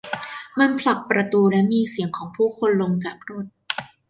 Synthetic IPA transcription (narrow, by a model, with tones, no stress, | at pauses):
ma˧npʰla˨˩k̚pɾa˧t̪uː˧lɛ˦˥miː˧si˨˩˦əŋkʰɔː˩˦ŋpʰuː˥˩kʰo˧nlo˧mkaː˨˩p̚ʰɾoː˥˩t̪̚